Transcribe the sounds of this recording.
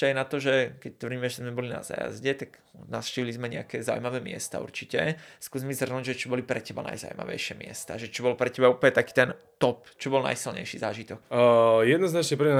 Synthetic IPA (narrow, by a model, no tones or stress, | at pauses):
ajnat̪ɔʒɛkɛc̚t̪ʋr̩ɟimɛʒɛzmɛbɔlina̰za̰ːja̰zɟɛt̪aɡnafʃciːʋilizmɛɲɛ̰akɛːza̰ṵmaʋɛːmɪɛ̰st̪a̰ṵɾt͡ʃicɛskuːzmizr̩nuːɟʒɛt͡ʃɔbɔlipɾɛcɛbana̰jza̰ʊma̰ʋɛ̰jʃɪɛmɪɛ̰st̪aːʒɛt͡ʃɔbɔlpɾɛcɛbauplɲɛt̪akiːt̪ɛn | t̪ɔpt͡ʃɔbɔlna̰jsilɲɛ̰jʃiːzaːʒit̪ɔkjɛd̪nznat͡ʃɲɛpːɲ